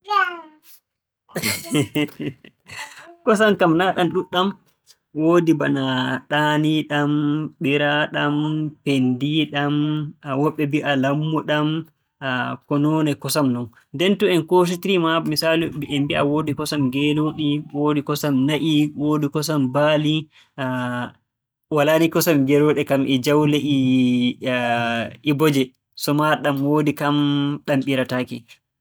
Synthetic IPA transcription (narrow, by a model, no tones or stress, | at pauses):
kɔsamkamnaɗanɗuɗam | woːdibanaɗaːniɗamɓiɾaɗampendiɗamawɔɓːɛbiʔalamːuɗam | akɔnɔnɛkɔsamnɔn | ndɛntuɛnkos̬itiɾimamisaːliiɛmbiʔawoːdikɔsamɡɛloɗiwodikɔsamnaʔiwoːdikɔsambali | walanikɔsamɡɛloɗɛkamʔɛd͡ʒawleʔi | ʔibɔd͡ʒɛ | sɔmaɗamwodikamɗamɓiɾataki